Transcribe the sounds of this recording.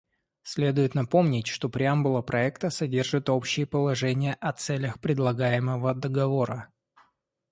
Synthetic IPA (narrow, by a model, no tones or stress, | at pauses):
sʲlʲe̞d̪ʊjɪt̪nɐpo̞mnʲɪtʲʂt̪o̞pɾʲɪambʊlˠəpɾʔɐɛkt̪əsɐdʲe̞rʐɨt̪o̞pɕːɪjəpəlˠɐʐɛnʲɪjəʔɐt̪sɛlʲəxpɾʲɪd̪lˠɐɡajɪməvəd̪əɡɐvo̞ɾə